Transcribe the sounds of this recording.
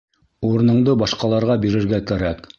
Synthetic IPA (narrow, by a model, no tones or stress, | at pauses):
uɾ̆nɤ̆ɴd̪ɤbɑʃqɑlˠɑɾʁɑbiɾɘ̆ɾɡækæɾæk